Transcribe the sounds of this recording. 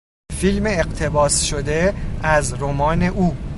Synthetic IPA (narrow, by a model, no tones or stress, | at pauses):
filmeːɢt̪ʰe̞bɒːsʃod̪eæzɾomɒːne̞ʔuː